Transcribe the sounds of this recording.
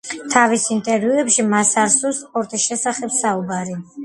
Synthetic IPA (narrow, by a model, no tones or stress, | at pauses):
t̪ʰavisint̪ʼɛɾviuɛpʃimasaɾsusqʼɔɾt̪ʼisʃɛsaχɛbsaubaɾi